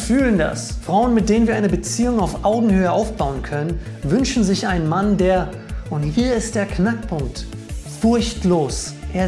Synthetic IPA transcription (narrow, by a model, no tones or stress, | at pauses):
fyːlənda̰sfʁ̥aʊənmɪt̚d̥eːnənviɐaɪnəbət͡siːʊŋaʊfʔaʊɡŋ̩høːəʔaʊfb̥aʊənkʰœnənvʏnʃn̩zɪçʔaɪnənmandeːɐ | ʔʊnthiːɐɪst̚d̥eːɐknak̚pʰʊŋk̚tfʊɐçtloːsʔeːɐ